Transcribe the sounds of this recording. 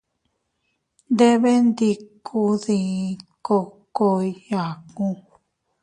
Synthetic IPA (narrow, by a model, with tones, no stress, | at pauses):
nd̪e˦βe˦nd̪i˧kʰu˧ðĩ˧ko˧ko˧i˧ja˨kũ˧